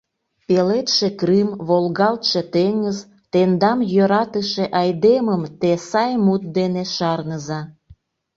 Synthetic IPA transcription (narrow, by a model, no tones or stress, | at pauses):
pelet̪ʃekrimβolɣɑlt̪ʃet̪eŋəz | t̪end̪ɑmjøɾɑt̪əʃeʔɑjd̪eməmt̪esɑjmut̪̚d̪eneʃɑrnəzɑ